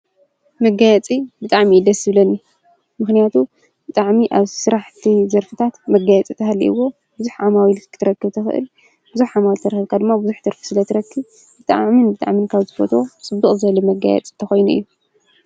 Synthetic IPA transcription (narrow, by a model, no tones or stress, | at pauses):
mɐɡajɛt͡sʼibɨt̪ʼaʕmid̪ɐsɨβlɐnːi | mɨxnijat̪ʰu | b̥ɨt̪ʼaʕmiʔaβsɨɾaħt̪ʰizɐɾfɨt̪ʰat̪mɐɡajɛt͡sʼit̪ʰɐhalːḭʔɨwːo̞ | bɨzuħʕamawilʰɨt̪ʰɨɾɐkːɨβt̪ʰɐxɨ̰ʔɨ̰l | b̥ɨzuħʕamawilt̪ʰɐɾɐxɨβkʰad̪ɨmːabɨzuħt̪ʰɐɾfɨ̥sɨlɐt̪ʰɨɾɐkːɨβ | bɨt̪ʼa̰ʕʕminbɨt̪ʼa̰ʕminkʰaβzɨfot̪ʰo̞t͡sʼɨbːɨχʼzɨɐlɐmɐɡa̰jɛ̰t͡sʼit̪ʰɐxo̞jnuɨ̰jːu